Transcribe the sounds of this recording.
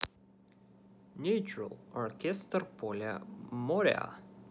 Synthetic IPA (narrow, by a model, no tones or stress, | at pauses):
nʲʉt͡ʃɹə̰lˠɔɹkɛst̪ərpʰɔlʲə̰mɔɾɛ̰a̰